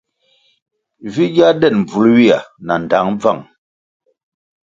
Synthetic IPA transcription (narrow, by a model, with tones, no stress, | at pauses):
vi˦d͡ʒa˦dɛ˦˨nm̩˨b͡vu˨lwi˦a˨na˨n˨da˨˦ŋb͡va̰˦˨ŋ